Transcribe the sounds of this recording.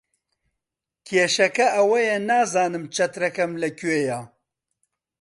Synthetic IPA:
kʰeːʃɐkɐɐwɐjɛnaːzaːnɨmt͡ʃʰɐt̪ɾɐkɐmlɐkʰweːjaː

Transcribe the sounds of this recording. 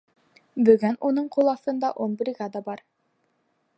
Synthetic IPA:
bɵ̆ɡɘnunɤɴqʰolˠɑθɤ̆nd̪ɑʔonbɾʲiɡad̪ɑbɑɾ

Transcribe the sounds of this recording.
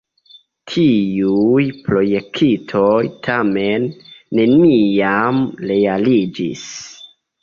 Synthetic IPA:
tʰiujpɾo̞je̞k̚tʰitʰo̞jtʰamenːe̞nijamle̞alid͡ʒḭs

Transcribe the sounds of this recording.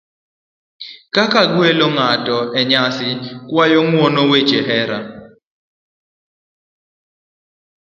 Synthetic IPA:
kakaɡweloŋatɔɛɲasɪkwajɔŋwɔnowet͡ʃeɦɛɾa

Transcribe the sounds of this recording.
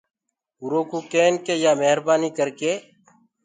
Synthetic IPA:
ʊɾoːkuːkeːnkeːjaːmeɦɾbaːniːkəɾkeː

